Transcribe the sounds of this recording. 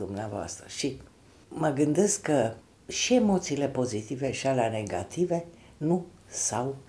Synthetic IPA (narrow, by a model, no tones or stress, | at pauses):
umneavoa̰st̪ɾəʃi | məɡɨnd̪e̞skkə | ʃie̞mo̞t̪siːle̞po̞zit̪ive̞ʃaleane̞ɡa̰t̪ive̞ | nusaw